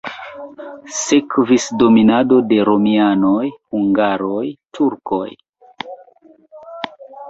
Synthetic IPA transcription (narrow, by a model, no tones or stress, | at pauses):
sekvisdo̞minado̞de̞ɾo̞miano̞jhuŋɡaɾo̞jtʰuɾko̞̰j